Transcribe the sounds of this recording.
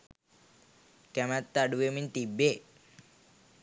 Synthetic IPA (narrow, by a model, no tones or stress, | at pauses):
kɛmæt̪ːaɖuʋemint̪ibːe